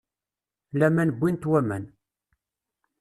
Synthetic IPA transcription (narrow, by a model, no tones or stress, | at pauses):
læmænəbʷːint̪wæmæ̰n